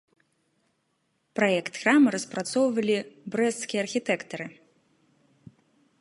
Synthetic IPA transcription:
pɾajɛkt̪ɣramɨɾɐspɾat̪sɔwvɐlʲibɾɛst̪ːkʲijɛɐrxʲit̪ɛkt̪ɐɾɨ

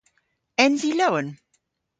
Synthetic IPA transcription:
ɛ̃nziloʊə̃n

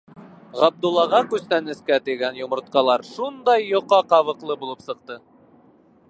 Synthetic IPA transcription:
ʁɑb̚d̪ulˠːɑʁɑkʉst̪ænɘ̆skæt̪iɡænjŏmŏɾt̪̚qɑlˠɑɾʃund̪ɑjːŏqɑqɑβɤ̆qlˠɤbulˠɤpsɤ̆q̚t̪ɤ

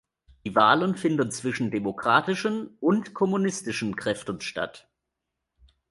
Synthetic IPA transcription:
d̥iːvaːlənfɪndənt͡sv̥ɪʃn̩demokʁ̥aːtɪʃənʔʊntkʰɔmunɪstɪʃn̩kʁ̥ɛftən̩ʃta̰t

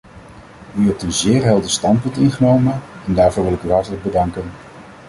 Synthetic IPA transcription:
yɦɛp̚tənzɪːɹɦɛlˠdəstɑnt̚pɵntɪnχənowmənɛndaːɹvʊːɹʋɪlɪkyɦɑɹtələɡ̚bədɑŋkən

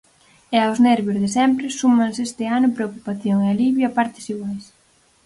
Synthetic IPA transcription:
eawznɛɾβjʊzðesɛmpɾɪsumãnsest̪ɪanʊpɾeokupaθjoŋɛaliβjoapaɾt̪ɪ̥siɣwajs

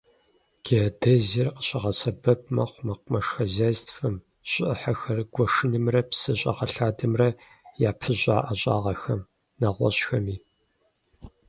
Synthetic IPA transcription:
ɡ̥edɐzirqə̥ɕʼɐʁɐsɐbɐb̚mɐχʷʊmɐqʷmɐʂxɐzaːztʰfɨm | ɕʼɪʔəħaxɐrɡ̥ʷɔʂɨnɨmrɐpsɨɕʼɐ̰ʁɐɬaːdɨmrɐ | jaːpʰɨʑʷʼaːʔɐɕʼa̰ːʁɐxɐm | naʁʷɔ̰ɕxɐmiː

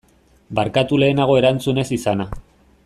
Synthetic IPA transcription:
baɾkat̪ule̞ːnaɣ̞o̞e̞ɾant͡sune̞sisana

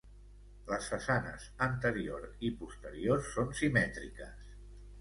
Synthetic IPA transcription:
ləsfəsanə̰zənt̪əɾioɾipust̪əɾiorsːonsimɛt̪ɾḭkəs

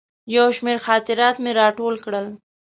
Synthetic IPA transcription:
jawʃmeɾxɑːt̪ɪɾɑt̪meɾɑʈolkɽəl

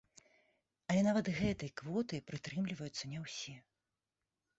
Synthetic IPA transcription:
ɐlʲɛnavɐt̪ɣɛt̪ɐjkvɔt̪ɨpɾɨt̪ɾɨmlʲivɐjut̪sːɐnʲɛwsʲɛ

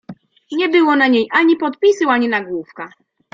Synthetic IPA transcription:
ɲɛbɘwɔnaɲejʔaɲipɔt̪pʲisuwaɲinaɡwufka

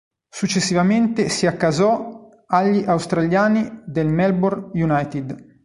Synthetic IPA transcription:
sut͡ʃːesːivament̪esiakːazɔ | aʎːiʔawst̪ɾaʎjaːnid̪elmɛlbɔrjunajt̪id̪

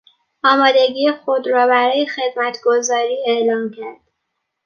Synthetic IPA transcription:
ʔɒːmɒːd̪e̞ɟiːexod̪ɾɒːbæɾɒːje̞xe̞d̪mæt̪ʰɡo̞zɒːɾiːeʔlɒːmcʰæɾd̪̥

